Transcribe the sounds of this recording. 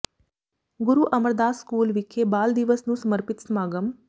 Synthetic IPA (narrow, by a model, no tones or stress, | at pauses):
ɡʊɾuːʔɐməɾd̪aːskuːlʋɪkʰːeːbaːld̪ɪʋəsnũːsəməɾpɪt̪smaːɡəm